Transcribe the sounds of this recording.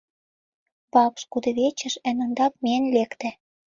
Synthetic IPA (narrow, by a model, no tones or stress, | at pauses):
βɑpʃkud̪ɤ̆βet͡ɕə̆ʃɘ̆nɤ̆nd̪ɑk̚meənlekt̪æ̆